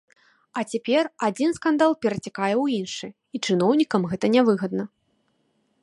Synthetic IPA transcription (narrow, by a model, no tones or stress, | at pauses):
ɐt͡sʲapʲɛrad͡zʲinskand̪alˠpʲɛɾɐt͡sʲakajɛwjinʂɨ | it͡ʂɨnɔwnʲikɐmɣɛt̪ɐnʲavɨɣɐd̪̚nɐ